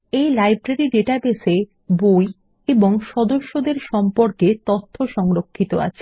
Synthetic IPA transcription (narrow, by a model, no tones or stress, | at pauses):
ejlajbɾaɾiɖeʈabese | boj | eboŋʃɔd̪oʃːod̪eɾʃɔmpoɾket̪ot̪ʰːoʃɔŋɾokʰːit̪oa̰t͡ɕʰe̥